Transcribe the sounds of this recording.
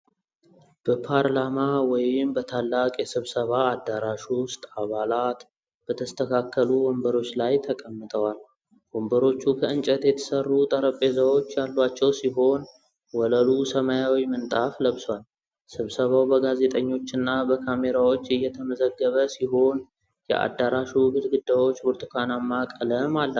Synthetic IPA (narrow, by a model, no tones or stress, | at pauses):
b̥əpʰaɾlamawɔjɪmbət̪ʰalːakʼjɛsɨβsəβaːd̪ːaɾaʃust̪ʼaβalat̪ | b̥ət̪ʰəst̪ʰəkʰakʰːəluwɔmbəɾo̞t͡ʃːlajt̪ʰəkʼəmːɨt̪ʼʰəwal | wɔmbəɾo̞t͡ʃːukʰəɨnt͡ʃʼət̪jɛt̪ʰə̥sərːut̪ʼəɾəpʼezəwo̞t͡ʃːjalːwat͡ʃːɛwsiɦo̞n | wɔləlusəmajawimənt̪ʼafləβswal | sɨβsəβawbəɡaze̞t̪ʼəɲːo̞t͡ʃːɨnːabəkʰame̞ɾawo̞t͡ʃːɨjːɛt̪ʰəməzəɡːəβəsiɦo̞n | jɛ̰ʔa̰d̪ːaɾaʃuɡɨlɡɨd̪ːawo̞t͡ʃːboɾt̪ʰɨ̥kʰʷanamːakʼələmalːa